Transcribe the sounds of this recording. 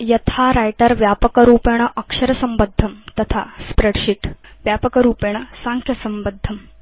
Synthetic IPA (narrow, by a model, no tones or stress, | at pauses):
jɐt̪ʰaɾajʈəɾʋjapəkəɾuːpeɳ̃əʔəkʂəɾəsəmbəd̪ʱːəmt̪ɐt̪ʰa̰spɾeɽɕiʈʋjapəkəɾuːpeɳ̃əsãŋkʰjɐsəmbəd̪ʱːəm